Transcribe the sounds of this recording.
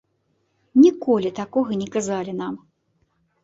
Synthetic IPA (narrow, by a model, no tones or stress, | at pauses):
nʲikɔlʲit̪akɔɣɐnʲɛkazalʲinam